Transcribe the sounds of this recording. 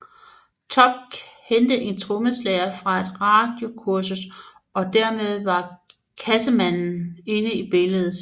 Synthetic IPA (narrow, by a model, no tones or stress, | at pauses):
t͡sʰɒ̽b̥̚hend̥əʔe̝nt͡sʰʁɔməslɛɐfʁɑ̈æd̥ʁɑ̈d̥jo̝kʰuɐsus | ɒ̽d̥æɐ̰með̞ˠʋɑ̈ | kʰæsəmæn̰n̩e̝nəib̥e̝ləð̞̩ˠ